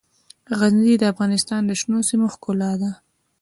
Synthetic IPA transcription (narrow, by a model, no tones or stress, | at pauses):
ɣazzid̪əafɣɑnɪst̪ɑnd̪əʃnosimoxkʊlɑd̪a